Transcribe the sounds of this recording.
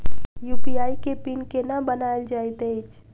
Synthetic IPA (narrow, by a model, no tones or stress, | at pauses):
jupijajkepinkenabənaeld͡ʒajt̪əjt͡ʃʰ